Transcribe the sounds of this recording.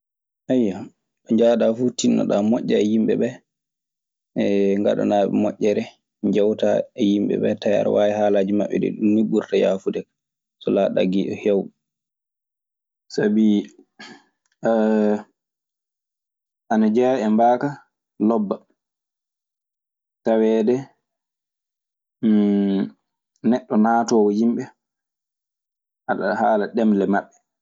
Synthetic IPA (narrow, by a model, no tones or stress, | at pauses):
ʔajːa | ɗɔɲd͡ʒaːɗafutinːa̰ɗamɔʔʲːaɛjimɓɛɓɛ | ŋɡa̰ɗɔ̰naɓɛ̰mɔʔːɛɾɛ | ɲd͡ʒɛwtaɛjimbɛ̰ɓɛ̰taja̰ɾwaːjɛhaːlaːd͡ʒimaɓːɛ̰ɗɛ̰ɗumːiɓuɾtaja̰ːfudɛk | sɔlaːɗa̰ɡiɗɔhɛw | sabi | ʔanad͡ʒɛːʔɛmbaːka | lɔbːa | tawɛːdɛ | nɛɗːɔnaːtɔːwɔhimɓɛ | ʔaɗa̰haːlaɗɛmlɛmaɓːɛ